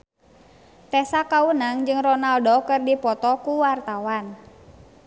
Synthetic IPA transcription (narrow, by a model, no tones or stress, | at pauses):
t̪ɛsakaunaŋd͡ʒɨŋrɔnaldɔkɨrdipɔt̪ɔkuwart̪awan